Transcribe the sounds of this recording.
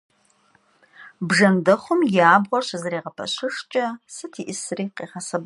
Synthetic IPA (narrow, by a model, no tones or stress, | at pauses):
bʐɐndɐχʷʊmjaːbʁʷɔrɕɐzɐɾeːʁɐpʰɐ̰ɕɪʂt͡ʃʼɐsɨtʰiːʔɪsriːqeːχɐsɐb